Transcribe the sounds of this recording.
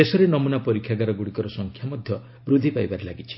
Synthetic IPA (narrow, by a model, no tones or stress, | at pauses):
esɔɾenɔmunapɔɾikʰːjaɡaɾɔɡuɽikɔɾɔsɔŋkʰjamɔd̪ʱjɔ | bɾud̪ʱipajbaɾelaɡit͡ʃʰi̥